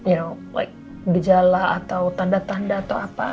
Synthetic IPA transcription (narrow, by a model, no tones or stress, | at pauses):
jala̰jk̚ | bid͡ʒalaat̪awt̪andat̪andaːt̪awapa